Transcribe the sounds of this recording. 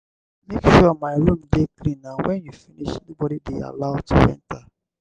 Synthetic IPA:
mekʃuɔmaɪɾomdeklĩnawɛ̃njufiniʃɛnibɔdibia̰laʊd̚tʰṵɛ̰̃nta

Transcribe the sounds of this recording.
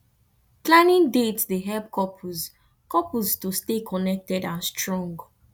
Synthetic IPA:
klãnĩndetdeɦɛlp̚kʰɔpʰuz | kɔpustustekʰɔnɛk̚tɛdãnstɹɔ̃ŋɡ

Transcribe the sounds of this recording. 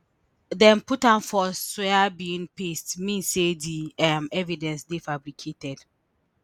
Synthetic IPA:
dɛ̃nputãnfɔsɛabiĩnpestmĩnsediamɛvidɛ̃nsdefabɾikʰetɛd̥

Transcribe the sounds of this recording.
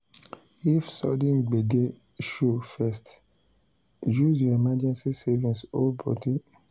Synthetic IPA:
ifsɔ̰dĩnɡ͡beɡe | ʃofɛst | d͡ʒuzemad͡ʒɛ̃nsisɛvĩsobɔ̰ti

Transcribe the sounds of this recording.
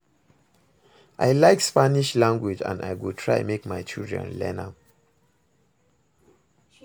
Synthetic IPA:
ʔajlaɪkspaniʃlãŋɡwid͡ʒã̰nda̰jɡutʰɹa̰ɪmekmaɪt͡ʃildɹɛ̰̃nlɛ̰nãm

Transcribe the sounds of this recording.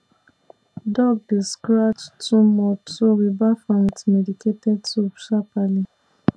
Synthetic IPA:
dɔɡ̚deskɾat͡ʃtumɔtowibafantmediketɛdsobʃapali

